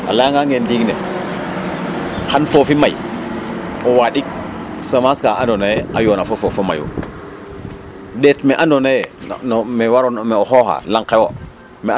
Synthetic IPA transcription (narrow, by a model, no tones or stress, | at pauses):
a̰laŋɡaŋendiɡne | xanfofimaj | ɔwaɗik̚samaskaʔandonajɛajonafofofoma̰jṵ | ɗetmɛʔandonajɛnmɛwaɾonmɛɔxoxa̰laŋkewo | mɛ